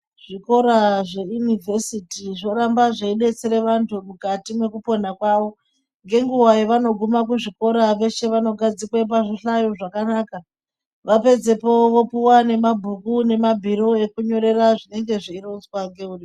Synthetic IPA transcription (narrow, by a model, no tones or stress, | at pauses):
ʐ̥iko̞ɾaʐe̞junivʱesitiʐo̞ɾambaʐeiɗe̞t͡se̞ɾeʋantʰumukatimwe̞kupo̞nakwaʋo̞ | ŋɡe̞ŋɡuwajoʋano̞ɡʱumak̬uʐiko̞ɾaʋe̞ʃe̞ʋano̞ɡʱad͡zikwap̬aʐiɬajoʐakanaːka | ʋape̞d͡ze̞po̞ʋopuwane̞mabʱukune̞mabʱiɾo̞e̞kuɲo̞ɾe̞raʐine̞ŋɡe̞ʐiirout͡swaŋɡe̞uri